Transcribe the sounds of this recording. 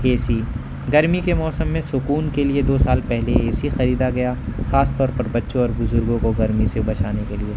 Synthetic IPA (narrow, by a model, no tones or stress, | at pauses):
eːsi | ɡɐɾmikemɔːsəmːẽsʊkuːnkelied̪oːsaːlpɛɦleeːsixɐɾiːd̪aɡɐjaːxaːst̪ɔːɾpɐɾbɐtːʃõɔːɾbʊzʊɾɡõkoɡɐɾmisebɐt͡ʃaːnekelieː